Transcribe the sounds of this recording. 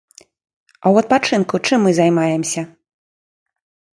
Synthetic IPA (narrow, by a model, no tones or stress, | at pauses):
ɐwɐt̪̚pat͡ʂɨnkut͡ʂɨmːɨzajmajɛmsʲɐ